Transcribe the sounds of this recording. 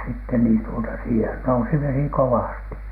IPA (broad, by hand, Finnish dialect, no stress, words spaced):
sitːen niːn tuotɑ siːhen nousi ʋesi kowɑˑsti